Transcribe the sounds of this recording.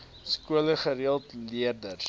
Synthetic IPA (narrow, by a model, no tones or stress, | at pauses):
skuələχəɾiəlˠtliərdər